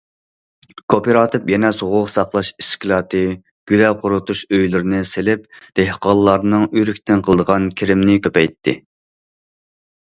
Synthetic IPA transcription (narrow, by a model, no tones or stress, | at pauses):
kʰopʰeɾɑːt̪ʰɨpjɛnɛsoʁʊqsɑχlˠɑʃiskʲlˠɑːt̪ʰɨ | ɡ̥ʲylɛqʰʊɾʊt̪uʃøjlɪɾɪnɪselɪp̚d̪̥eɦqɑlˠːɑɾnɨŋyɾykʲt̪ʰɪnqʰəlˠəd̪əʁɑnkʲʰeɾɪmnɪkʲʰøpɛjt̪ʰːɪ̰